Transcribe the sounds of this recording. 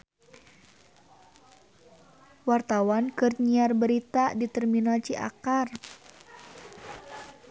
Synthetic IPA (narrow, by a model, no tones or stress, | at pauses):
wart̪awankɨrɲiarbəɾit̪adit̪ɛrminalt͡ʃiʔa̰kar